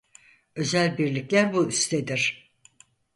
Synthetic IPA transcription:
ø̞zælʲbiɾlʲiclʲæɾbuyst̪ʰed̪iɾ̥

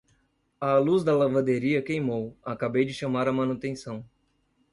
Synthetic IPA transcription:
ɐluzd̪ɐlavad̪eɾiɐkejmowakabejd͡ʒɪʃɐ̃maɾɐmɐ̃nut̪ẽsɐ̃w̃

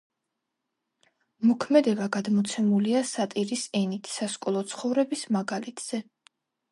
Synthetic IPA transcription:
mɔkʰmɛd̪ɛbaɡad̪mɔt̪sʰɛmuliasat̪ʼiɾisɛnit̪ʰsaskʼɔlˠɔt̪sʰχɔvɾɛbismaɡalit̪ʰz̥ɛ

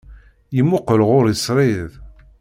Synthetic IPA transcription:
jəmːʊqəlʁʊɾisɾˤɪðˤ

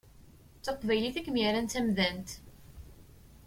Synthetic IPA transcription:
θoqːvæjliθækːmiɾænt̪æmðænt̪

